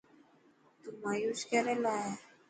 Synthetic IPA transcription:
t̪umajuskɛɾɛlaɛ

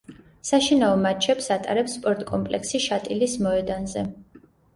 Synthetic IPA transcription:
saʃinaɔmat͡ʃʰɛpsat̪ʼa̰ɾɛpsːpʼɔɾt̪ʼkʼɔmpʼlɛ̰ksiʃat̪ʼilismɔɛd̪anzɛ

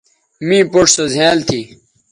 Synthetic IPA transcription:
mĩːpoʈ͡ʂsozʱẽːlt̪ʰi

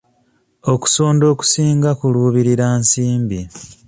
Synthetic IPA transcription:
o̞ku̥soːndo̞ːku̥siːŋɡakuluːβiɾiɾaːnsiːmbi

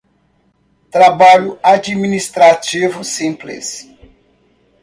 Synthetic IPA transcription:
t̪ɾabaʎʊad͡ʒiminist̪ɾat͡ʃivʊsĩplɪ̰s

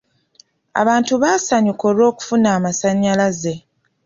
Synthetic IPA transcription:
a̰βaːntuβaːsaɲuko̞ɾo̞ːku̥funaːmasaɲːalaze̞

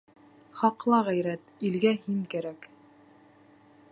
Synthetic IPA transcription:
χɑqlˠɑʁæjɾæt̪ilɡæhiŋkæɾæk

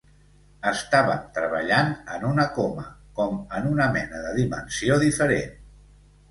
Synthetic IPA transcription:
əst̪aβ̞əmt̪ɾəβ̞əʎanənunəkoməkɔmənunəmɛnəðəðimə̰nsioðifəɾen

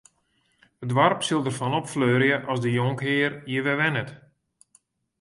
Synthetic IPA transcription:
ədʋarpsɪlˠdərfɔnɔpfløːɾjəʔɔsdəjoŋkɦɪːərjəʋɛʋɛnət

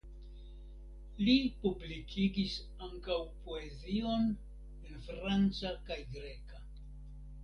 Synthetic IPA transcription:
lipublikʰiɡis | aŋkawpoe̞zio̞n | enfɾant͡sakajɡɾe̞ka

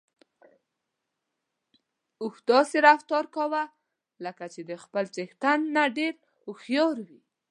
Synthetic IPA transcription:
ʊxd̪ɑseɾaft̪ɑɾkawa | ləkat͡ʃed̪əxpəlt͡sext̪anːaɖeɾ | ʊxjɑɾwi

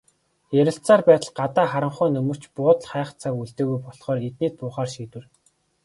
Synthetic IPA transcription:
jæɾʲɪ̆ɬt͡saːrpæːt̪ə̆ɮɢat̪aːχaɾə̆ɴχʊːnɵmɵ̆r̥t͡ɕpʊːt̪̆ɮχæːχt͡sʰakuɮt̪eːɣujpɔɮχɔːret̪̚niːt̪̚pʊːχaːrʃiːt̪wɘ̆r

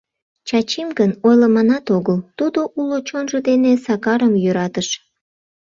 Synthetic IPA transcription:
t͡ɕɑt͡ɕimɡənojləmɑnɑt̪oɣəlt̪ud̪oʔulot͡ɕonʒəd̪enesɑkɑɾəmjøɾɑt̪əʃ

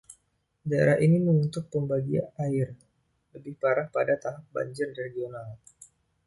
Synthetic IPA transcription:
daḛɾahinimənunt̪ʊk̚pəmbaɡia̰aɪr | ləbɪhpaɾahpadat̪aɦap̚ba̰ɲd͡ʒɪrreɡional

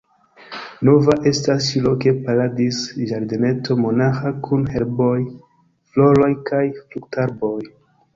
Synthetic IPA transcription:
no̞vaʔe̞stast͡ʃilo̞ke̞paladisʒaɾdene̞to̞mo̞naxakʰunhe̞lbo̞j | flo̞ɾo̞jkʰajfluktaɾbo̞j

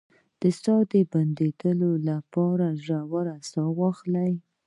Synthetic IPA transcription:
d̪̥əst̪ɑd̪əband̪ed̪əlolapɑɾaʒawaɾast̪ɑwɑxlaj

